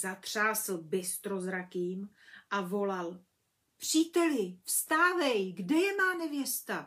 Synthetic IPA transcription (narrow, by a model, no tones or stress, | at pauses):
zat̪r̝̥aːsl̩bɛst̪ɾo̞zɾakiːm | ʔavo̞lal | pr̝̥iːt̪ɛlɪfst̪aːvɛjɡdɛjɛmaːnɛvjɛst̪a